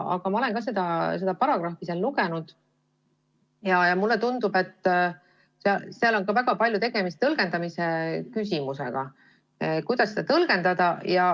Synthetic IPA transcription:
ɑ̰ɡ̥ɑmɑolenkɑse̞d̪ɑse̞d̪̥ɑpɑɾɑɡ̥rɑhfiselluɡ̥e̞nud̪̥ | jɑjɑmulːe̞t̪und̪̥ube̞t̪ː | seɑseɑlo̞nkɑvæɡ̥ɑpɑlʲjut̪e̞ɡ̥e̞mist̪t̪ɤlɡ̥e̞nd̪ɑmisekys̬ʲimuse̞̰ɡ̥ɑ̰ | kujd̪ɑsed̪̥ɑt̪ɤlɡ̥e̞nd̪ɑd̪̥ɑjɑ

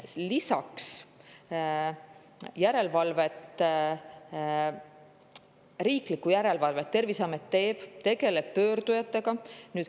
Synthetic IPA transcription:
lisɑks | jæɾe̞lvɑlve̞t̪ːˑ | riːklikːujæɾe̞lvɑlve̞t̪ːe̞rvisɑmet̪ːe̞ːb̥t̪e̞ɡ̥e̞le̞b̥̚pø̞ːrd̪ujɑt̪ːˑe̞ɡ̥ɑnyːd̪

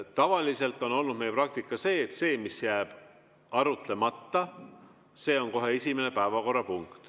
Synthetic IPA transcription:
t̪ɑvɑlise̞lt̪ːˑo̞no̞lnud̪̥̚mejeprɑk̚t̪ikːˑɑse̞ːt̪se̞ːmisjæːb̥ | ɑɾut̪le̞mɑt̪ːɑ | se̞ːo̞nko̞ɦe̞e̞sʲimene̞pævɑko̞rːɑpuŋkt̪

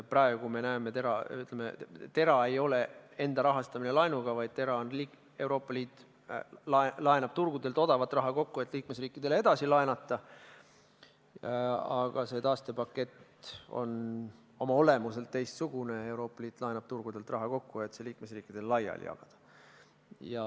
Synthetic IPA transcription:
prɑeɡukume̞næemet̪e̞ɾɑyt̪ːˑlemet̪e̞ɾɑe̞jo̞le̞e̞nd̪ɑɾɑɦɑst̪ɑminelɑjnuɡ̥ɑvɑjd̪̥̚t̪e̞ɾɑonliːk | e̞uwɾo̞ːpːˑɑliːt̪ː | lɑlɑenɑb̥̚t̪urɡ̥ud̪elt̪o̞d̪ɑvɑt̪ːˑrɑɦɑko̞kːue̞t̪ːˑliːkmesriːkːˑid̪̥e̞lee̞d̪̥ɑsilɑenɑt̪ːˑɑ | ɑɡ̥ɑse̞ːt̪ɑːst̪e̞pɑkːe̞t̪ːo̞̰n | o̞mɑo̞lemuselt̪t̪ːe̞jst̪suɡ̥une̞e̞wɾo̞ːpːˑɑliːt̪ːˑlɑenɑb̥̚t̪urɡ̥ud̪̥e̞lt̪ˑrɑɦɑko̞kːue̞t̪seliːkmesriːkːˑid̪̥e̞llɑjɑ̰ljɑ̰ɡ̥ɑd̪̥ɑ̥ | jɑ

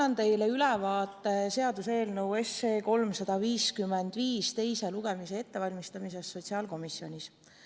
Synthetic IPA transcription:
ɑnt̪e̞jle̞ylɛvɑːt̪ˑːe̞se̞ɑd̪use̞ːlnewe̞seːko̞lmsɑd̪̥ɑviːskyme̞nd̪̥viːst̪e̞jse̞luɡ̥e̞mise̞et̪ːe̞vɑlʲmist̪ɑmise̞sːo̞tʲsiɑlko̞misjo̞nʲis

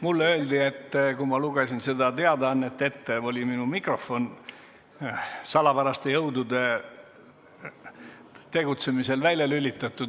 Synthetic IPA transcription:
mulːø̞ːld̪ie̞t̪ːkumɑluɡ̥esinse̞d̪ɑt̪eɑd̪ɑnːe̞t̪ːe̞t̪ːeo̞lʲiminumikro̞fo̞n | sɑlɑpæɾɑst̪ejɤwd̪ud̪e̞ | t̪e̞ɡut̪se̞mise̞lvælʲjɑlylʲːit̪ːˑɑt̪ːˑu

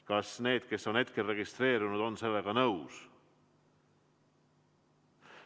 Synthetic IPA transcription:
kɑsne̞ːd̪̥̚ke̞sːo̞nhe̞t̪ke̞lre̞ɡ̥ist̪ɾe̞ːɾunud̪̥o̞nse̞lːe̞ɡ̥ɑnɤws

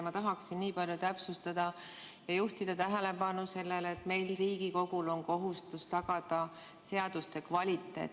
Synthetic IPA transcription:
mɑt̪ɑɦɑksinːiːpɑlʲjut̪æpsust̪ɑd̪̥ɑ | jɑjuht̪id̪̥ɑt̪æɦele̞pɑnuse̞lːeleːt̪me̞jlriːɡ̥iko̞ɡ̥ulo̞nko̞ɦust̪ust̪ɑɡ̥ɑd̪̥ɑ | se̞ɑd̪̥ust̪e̞kvɑlʲit̪ːˑe̞̰ːt̪ː

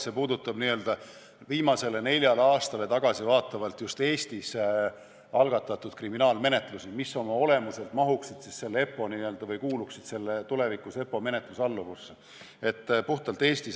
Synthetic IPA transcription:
se̞puːd̪ut̪ːˑɑbniø̞ld̪̥ɑ | viːmɑse̞le̞ne̞lʲjɑleɑːst̪ɑle̞t̪ɑɡ̥ɑsivɑːt̪ːˑɑvɑlt̪just̪e̞ːst̪is | ɑlɡ̥ɑt̪ːˑɑt̪ːˑud̪̚kriminɑːlme̞ne̞t̪lusimisːo̞mɑo̞le̞muse̞lt̪ˑmɑɦuksid̪̥sisse̞lːee̞pːˑo̞niø̞ld̪̥ɑvɤjkuːluksid̪se̞lːet̪ule̞vikˑuse̞pːˑo̞me̞ne̞t̪ˑlusɑlːuvus | e̞t̪ːpuht̪ɑlt̪ːˑeːst̪is

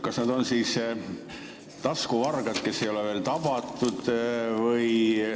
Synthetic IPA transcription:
kɑsnɑd̪o̞nsiːs | t̪ɑskuvɑrɡ̥ɑd̪̥ke̞sːe̞jo̞leveːlt̪ɑb̥ɑt̪ːˑud̪̥vɯj

